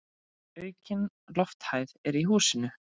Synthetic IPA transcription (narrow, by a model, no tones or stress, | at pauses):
œːɥcɪn | lɔft̪hajðɛɾiɦuːsɪnʏ